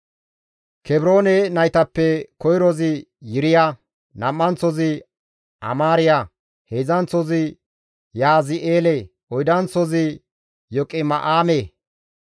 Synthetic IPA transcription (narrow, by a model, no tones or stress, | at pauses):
kɛbɾo̞ːnɛnɐjt̪ɐpːɛkɔjɾɔzɪ | jɪɾɪja | nɐmːɐnt͡sːɔzɪ | ʔɐ̰maːɾɪja | hezɐnt͡sɔzɪ | jaːzɪʔeːle | ʔɔjd̪ɐnt͡sɔzɪ | jɔkʼɪmɐʔaːmeː